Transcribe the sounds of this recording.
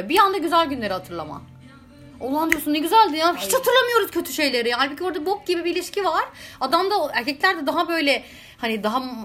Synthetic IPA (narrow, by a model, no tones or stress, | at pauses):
bijand̪aɟyzælʲɟynlʲe̞ɾihat̪ʰɯɾlˠa̰ma̰ | onːˠand̪ɯjosunɛɟyzælʲd̪inaçit͡ʃhat̪ʰɯɾlˠamɯjo̞ɾuz̥cʰø̞t̪ʰyʃe̞jlʲe̞ɾijaːlʲbicʰʲioɾd̪abok̚ɟibibiilʲiʃcivaɾ̥ad̪amd̪aæɾcʰɛclʲæɾd̪ɛd̪aɦabø̞jlʲɛ | hanid̪aɦa